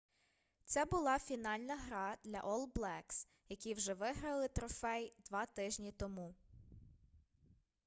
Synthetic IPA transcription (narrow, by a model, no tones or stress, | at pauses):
t̪sɛbʊlˠɑfʲinɑlʲnɐɦɾɑd̪lʲɐ̰ʔɔlˠblˠɛks | jɐkʲijwʒɛʋɪɦɾɐlˠɪt̪ɾɔfɛjd̪ʋɑt̪ɪʒnʲit̪ɔmu